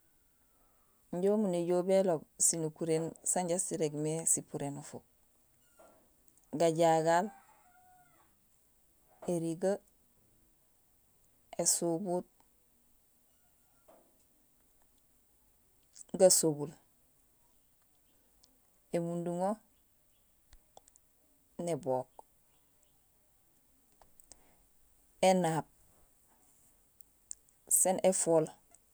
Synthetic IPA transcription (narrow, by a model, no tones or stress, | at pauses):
ɲɟomuneɟobelobsinukuɾensaɲɟassiɾeɡmesipuɾenofok̚ | ɡaɟaɡal | eɾiɡa | esubut̚ | ɡasubul | emunduŋo | neboːk | enap̚ | senʔefoːl